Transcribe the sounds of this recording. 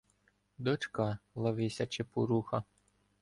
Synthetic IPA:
d̪ɔt͡ʃkɑlˠɐʋɪsʲɐt͡ʃepuɾuxɐ

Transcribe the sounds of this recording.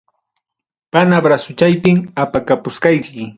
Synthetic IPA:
panabɾasʊt͡ʃajpɪŋapakapʊskɑjkɪ

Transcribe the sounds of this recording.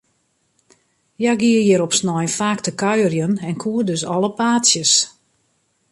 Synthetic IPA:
jaɡiəjɪɾɔpsnɔjfaːktəkœɥərjənɛnkʰuːədøsɔləpaːtsjəs

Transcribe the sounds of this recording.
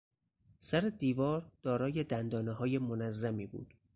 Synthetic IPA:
sæɾed̪iːvɒːɾd̪̥ɒːɾɒːje̞d̪ænd̪ɒːneɦɒːjemonæzːæmiːbṵːd̪̥

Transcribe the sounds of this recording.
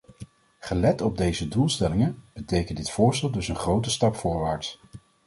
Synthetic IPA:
χəlɛtɔb̚dejzədulˠstɛlɪŋənb̥ətejkəndɪtfʊːɹstɛlˠdɵsənχrowtəstɑpfʊːɹʋaːɹts

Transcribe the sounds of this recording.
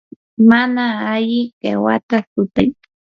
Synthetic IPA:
manaaʎɪɢḛwa̰t̪akʊt̪aj

